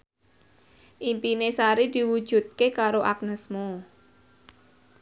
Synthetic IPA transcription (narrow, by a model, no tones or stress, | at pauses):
ʔimpinesaɾid̪̥i̤wud̥ʒ̥ṳt̪̚kekaɾoʔak̚nəsmo